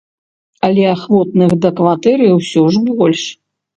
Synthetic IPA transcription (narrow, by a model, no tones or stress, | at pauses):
ɐlʲɛaxvɔt̪nɨxd̪ɐkvat̪ɛɾɨjwsʲɔʐbɔlʲʂ